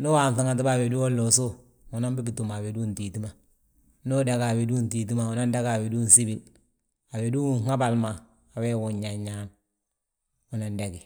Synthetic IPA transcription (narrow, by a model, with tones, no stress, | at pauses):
no˦wa˨nθa˦ŋa˨t̬i˦ba˦˨we˨du˦o˦lːo˨so˦ | ŋu˨na˦mbi˦bi˨tu˨ma˨we˨du˦nti˨ti˦ma˨ | no˦da˨ka˨we˨du˦nti˨t̬i˦ma˨u˨˦na˦nda˦ɡa˨we˨du˦nsi˦bi˨l | a˨be˨du˦ŋa˦ba˨lmaː˨ | we˦wu˨ɲːa˨ɲːa˦n | u˨na˨nde˨ɡi˨